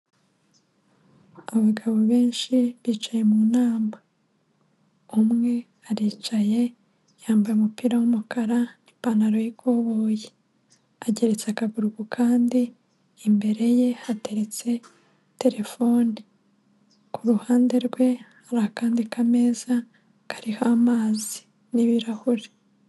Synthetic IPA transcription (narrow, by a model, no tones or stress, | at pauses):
aβaβiɡaβoβe̞ːnʃiβiːt͡ʃaje̞munaːma | umŋe̞ | aɾiːt͡ʃaje̞ | jaːmbajumupiːɾawumukaɾanipanaɾo̞jikʰo̞βo̞je | aɟe̞ɾe̞t͡seakaɡuɾuɡukʰaːndiː | mbe̞ɾe̞je̞hate̞ɾe̞t͡se̞ | te̞ɾe̞fo̞ni | kuɾuhaːnde̞ɾɡwe̞ | aɾahakaːndikame̞ːza | kḁɾihaːmaːzi̥ | niβiɾahuɾe